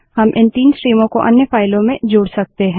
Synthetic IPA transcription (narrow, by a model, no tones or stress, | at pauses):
hɐmʔɪ̃nt̪iːnsɾiːmõkoʔɐ̰njəfaːɪlõmẽd͡ʒoːɽsɐk̚t̪eɦɛ̃ː